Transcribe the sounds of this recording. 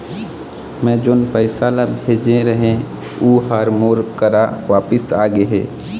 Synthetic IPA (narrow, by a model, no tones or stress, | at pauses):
mɛ̃d͡ʒoːnpəɪsalabʱeːd͡ʒẽɾəɦẽ | uɦaɾmoːɾkəɾaʋaːpəsaːɡeɦḛː